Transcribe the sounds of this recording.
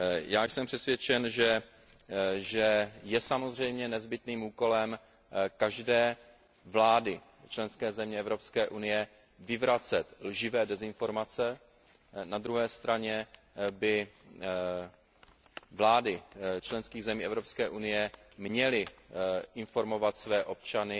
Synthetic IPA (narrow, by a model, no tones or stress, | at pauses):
jaːjsɛmpr̥ɛsvjɛt͡ʃɛnʒɛ | ʒɛjɛsamo̞zr̝ɛjmɲɛnɛzbɪt̪niːmuːko̞lɛm | kaʒdɛː | vlaːdɪ | t͡ʃlɛnskɛːzɛmɲɛɛvɾo̞pskɛːʔunɪjɛ | vɪvɾat͡sɛt̪lʒɪvɛːdɛzɪnfo̞ɾmat͡sɛ | nad̪ɾuɦɛːst̪ɾaɲɛ | bɪ | vlaːdɪt͡ʃlɛnskiːɣzɛmiːɛvɾo̞pskɛːʔunɪjɛmɲɛlɪʔɪnfo̞ɾmo̞vat̪svɛːʔo̞p̚t͡ʃanɪ